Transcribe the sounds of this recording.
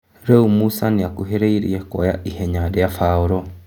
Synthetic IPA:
ɾɛumusaniakuɦeɾeiɾḭeko̰ja̰ʔiheɲadeafaoɾo

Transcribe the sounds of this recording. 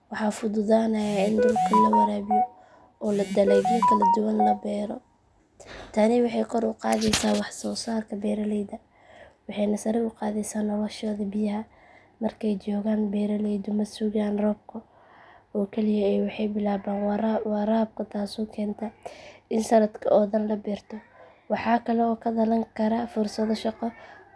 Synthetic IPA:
wɑħɑːfʊðʊðaːnɐjaːɪnd̪ʊlkʰɐlɐwɑɾɛːβɪjɔ | ɔːlɐd̪ɐlɛjɣʊkʰɐlɐd̪ʊwɐnlɐbɛːɾɔ̰ | t̪ʰanɪwɑħɑjkʰɔɾʊqɑ̰ːðɛjsaːwɑħsɔːsaːrkʰɐbɛːɾɐlɛjd̪ɐ | wɑħɑjnɐsɐɾɪʊqɑːðɛsaːnɐlɐʃɔːðɐbɪjɐɦɐ | mɐrkʰɛjt͡ʃɔːɣaːnbɛːɾɐlɛjd̪ʊmɐsuɣaːnrɔːb̚kʰɐ | ɔːkʰɛlɪjɐɛjwɑħɑjbɪlaːβaːnwɑraːb̚kʰɐt̪ʰaːsɔkʰɛːnt̪ʰɐɪnsɐnɐd̪kʰɐʔɔːðɐnlɐbɛːrt̪ʰɔ | wɑħɑːkʰɐlɛɔːkʰɐd̪ɐlɐŋkʰɐɾɐfʊrsɐðɐʃɑqɔ

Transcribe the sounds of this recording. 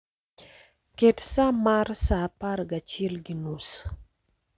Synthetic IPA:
ketsamarsaparɡat͡ʃilɡinus

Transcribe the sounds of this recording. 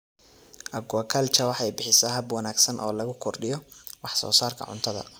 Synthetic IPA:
ʔɐɡʊɐkʰɐlt͡ʃʰɐwɑħɛjbɪħɪsɛɦɐbwɐnaːɡsɐnʔɔːlɐɣʊkʰɔrɖɪjɔwɑħsɔ̰ːsaːrkʰɐ̰ʕʊ̰nt̪ʰɐðɐ̰

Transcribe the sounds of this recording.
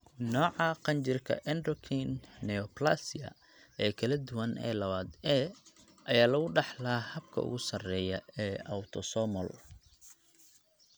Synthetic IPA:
nɔːʕɑqɑnt͡ʃɪrkʰɐ̰ʔɛnd̪ɔkʰinːɛɔplasɪɐ̰ | ʔɛːkʰɐlɐd̪ʊwɐnʔɛ̰ːlɐβaːd̪ɛː | ʔɐjaːlɐɣʊɖɑħlaːhɐb̚kʰɐ̰ʊ̰ɣʊsɐrɛːjɐɛːɐwt̪ʰɔsɔmɔl

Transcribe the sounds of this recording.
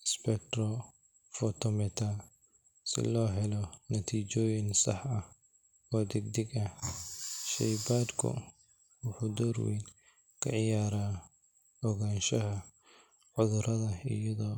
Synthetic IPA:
ɪspɛk̚t̪ʰrɔ | fɔt̪ʰɔmɛt̪ʰa | sɪ̰lɔːɦɛlɔnɐt̪ʰiːt͡ʃɔːjɪnsɑħɐh | ɔːd̪ɛɡ̚d̪ɛɡɐ | ʃɛjbaːd̪kʰʊ̰ | wʊħud̪ɔːrwɛ̰ːn | kʰɐ̰ʕɪjaːɾaː | ɔɣaːnʃɐɦɐ | ʕʊðʊɾʔɐðɐɪjɐðɔː

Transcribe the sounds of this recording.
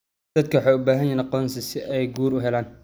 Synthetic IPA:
d̪̥ɐd̪̚kʰɐwħɑːʊbaːɦɐnjɐnɐqɔːnsɪsɪʔɛjɡuːɾʊɦɛlaːn

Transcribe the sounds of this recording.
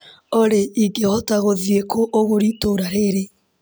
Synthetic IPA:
oɾeiɡehɔtaɣoðiekʰoʔoɣoɾitoɾaɾeɾe

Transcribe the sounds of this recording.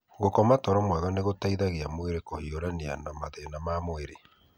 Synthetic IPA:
ɣokɔmatɔɾɔmwaðɔneɣotaiðaɣeamoeɾekohioɾanea̰namaðenamamweɾe

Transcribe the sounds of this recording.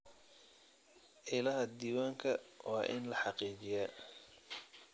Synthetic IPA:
ʕɪlɐɦɐd̪iːwaːŋkʰɐwɑːʔɪ̰nlɐħɑqiːt͡ʃɪjaː

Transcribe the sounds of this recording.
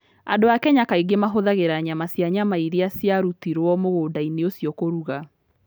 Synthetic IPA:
adoakɛɲakaiɡemaɦoðaɣeɾaɲamasjaɲamaiɾiasjaɾutiɾwɔmoɣoːdaineosjɔkoɾuɣa

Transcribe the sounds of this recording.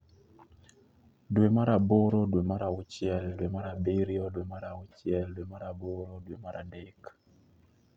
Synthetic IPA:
dwemaɾaboɾɔdwemaɾaʊt͡ʃjɛldwemaɾabeɾjɔdwemaɾaʊt͡ʃjɛldwemaɾaboɾɔdwemaɾʔadek

